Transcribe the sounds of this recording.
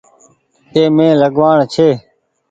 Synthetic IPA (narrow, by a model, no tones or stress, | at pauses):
t̪eːmẽːləɠʋaːɳt͡ʃʰeː